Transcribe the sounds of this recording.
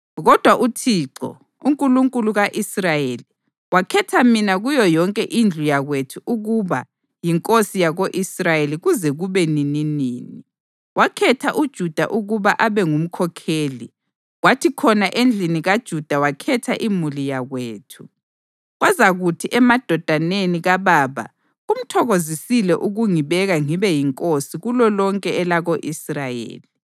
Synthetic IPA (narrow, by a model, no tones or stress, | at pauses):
ɣɔd̥ʱwaʔutʰiːǁɔ̰ | uŋkʼuluŋkʼuluɣaʔisrajeːli | wakʰɛtʰaminaɣujɔjɔŋkʼɛʔind͡ɮʱujaɣwetʰuʔuɣuβa | jiŋkʼosijaɣoʔisrajeliɣuzɛɣuβɛnininiːni | wakʰɛtʰaʔud̥ʒ̥ʱud̥ʱa̰ʔuɣuβaʔaβɛŋum̩kʰɔkʰeːli | ɣwatʰikʰɔnaʔend͡ɮʱiniɣad̥ʒ̥ʱud̥ʱawakʰɛtʰaʔimulijaɣweːtʰu̥ | ɣwazaɣutʰiʔɛmad̥ʱɔd̥ʱaneniɣaβaːβa̰ | ɣum̩tʰɔɣozisilɛʔuɣuŋiβɛɣaŋiβɛjiŋkʼosiɣulɔlɔŋkʼɛɛlaɣoʔisrajḛːli